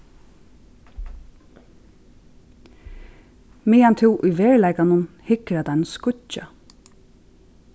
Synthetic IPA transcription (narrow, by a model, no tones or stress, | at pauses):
miːjant̪ʰɪwʔujʋeːɹlæjkanʊnhɪkɾad̪anskʊa